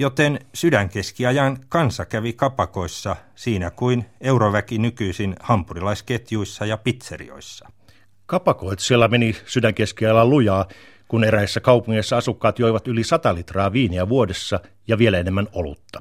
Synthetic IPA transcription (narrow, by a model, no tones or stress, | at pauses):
jot̪ensydæŋkeskiɑjɑnkɑnsɑkæʋikɑpɑkoisːɑ | siːnækuineuroʋækinykyisinhɑmpurilɑisket̪juisːɑjɑpit̪serḭo̰isːɑ̥ | kɑpɑkoit̪sielːæmenisydæŋkeskiɑjɑlːɑlujɑː | kuneɾæisːækɑupuŋːeisːɑɑsukːɑːt̪joiʋɑt̪ylisɑt̪ɑlit̪rɑːʋiːniæʋuodesːɑ | jɑʋielæenemːænolṵt̪ːɑ̥